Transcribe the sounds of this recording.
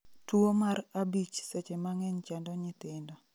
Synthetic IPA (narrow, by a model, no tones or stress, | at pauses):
twomaɾabit͡ʃsɛt͡ʃɛmaŋɛɲt͡ʃɛndɔɲɪt̪ɪndɔ